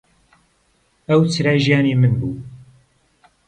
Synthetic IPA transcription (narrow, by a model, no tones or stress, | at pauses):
əwt͡sʰɨɾaːjʒijaːnimɨnbuː